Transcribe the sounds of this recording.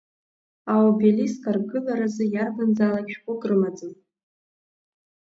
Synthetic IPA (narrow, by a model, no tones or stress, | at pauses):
awwbeliskʼarɡɨlaɾazɨjarbɨnd͡zalapʃᶣkʷʼʊɡʼrɨmad͡zɨnʼ